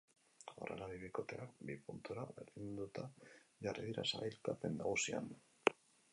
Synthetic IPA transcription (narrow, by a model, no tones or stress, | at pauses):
orʔa̰laβiβikot̪eakbipunt̪uɾaβelind̪ut̪ajareðiɾa̰sailkapend̪aɣusia̰n